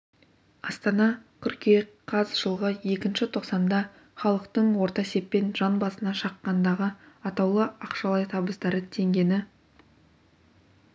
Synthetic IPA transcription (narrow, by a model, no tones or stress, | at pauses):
ɑst̪ɑnɑkʲʰʏɾkʲeqʰːɑzʒəlˠʁəje̞kʲɪnʃɪt̪ʰo̞qsɑnd̪ɑ | χɑlˠəqt̪əɴwo̞ɾt̪ɑse̞pːe̞nʒɑnbɑsənɑʃɑqːɑnd̪ɑʁəɑt̪ɑwlˠəɑqʃɑlˠɑjt̪ʰɑbəsd̪ɑɾət̪ʰe̞ŋɡʲe̞nɪ